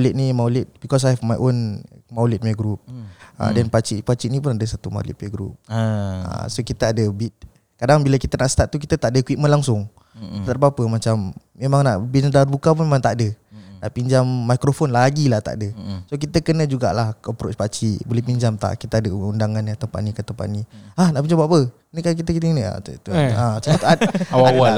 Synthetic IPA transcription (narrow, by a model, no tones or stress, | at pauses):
malit̪̚nimawlɪt̪̚bikɔs̬ajɦɛvmajʔonmawlɪt̪̚majɡɾup̚ə̰dɛnpat͡ʃiʔpat͡ʃiʔnĩpʊnadəsat̪uma̰lḭt̪̚majɡɾṵp̚ə̰sokit̪əadəbit̪̚ | kadaŋbiləkit̪ənaʔst̪at̪̚t̪uk̬it̪ət̪aʔdəkwit̪̚mə̃nlaŋsʊŋ | t̪t̪abapəmat͡ʃamː | emaŋna̰ʔbiɲdarbukap̬unmemaŋt̪aʔdənaʔpiɲd͡ʒamːajkɾofonlaɡilaht̪a̰ʔdəsok̬it̪əkənə̃d͡ʒuɡa̰ʔlahkɔpɾot͡ʃpat͡ʃibolɛhpiɲd͡ʒamt̪a̰ʔkit̪əadəundaŋanat̪əmpa̰nikat̪əmpa̰ʔniahnaʔpiɲd͡ʒambapə | nikak̬it̪əkit̪inia̰t̪t̪uat͡ʃat̪t̪waaa